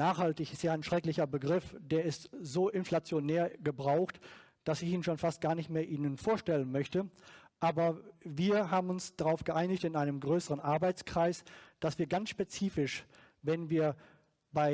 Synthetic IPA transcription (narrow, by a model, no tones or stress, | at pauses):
naːχhaltɪçɪstjaːaɪnʃʁ̥ɛklɪçɐbəɡʁɪfd̥eːɐɪstzoːʔɪnflat͡sjoneːɐɡəbʁaʊxt | d̥asɪçiːnʃoːnfast̚ɡ̥aːɐnɪçtmeːɐʔiːnənfoːɐʃtɛlənmœçtəʔaːbɐviːɐɦaːbm̩ʊnsd̥aʁaʊfɡ̥əʔaɪnɪçtɪnaɪnəmɡʁøːsəʁənʔaɐbaɪt͡skʁ̥aɪsd̥asv̥iːɐɡansʃpet͡siːfɪʃ | vɛnviːɐ | baɪ